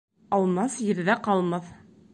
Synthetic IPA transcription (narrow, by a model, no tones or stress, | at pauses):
ɑlˠmɑsjɘ̆ɾðæqɑlˠmɑθ